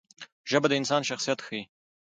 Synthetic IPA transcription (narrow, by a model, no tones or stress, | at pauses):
ʒəbad̪əɪnsɑnʃaxsijat̪xəi